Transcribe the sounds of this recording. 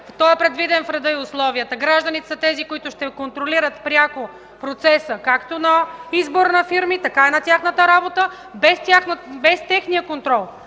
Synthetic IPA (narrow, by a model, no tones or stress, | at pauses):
t̪ɔɛpɾɛd̪vid̪ɛnfɾɐd̪əiʊslˠɔvijət̪əɡɾaʒd̪ɐnit̪ɛ̥sɐt̪ɛzikoit̪ʊʃt̪ɛkont̪ɾoliɾət̪pɾʲjako | pɾot̪sɛsəkakt̪onɐizboɾnɐfiɾmit̪ɐkainɐt̪ʲjaxnət̪əɾabot̪ə | bɛst̪ʲaxnbɛst̪ɛxnijəkont̪ɾɔlˠ